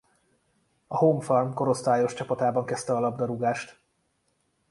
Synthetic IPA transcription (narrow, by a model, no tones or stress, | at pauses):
ɒɦoːɱfɒlmko̞ɾo̞st̪aːjo̞ʃt͡ʃɒpɒt̪aːbɒŋkɛst̪ɛɒlɒbd̪ɒɾuɡaːʃt̪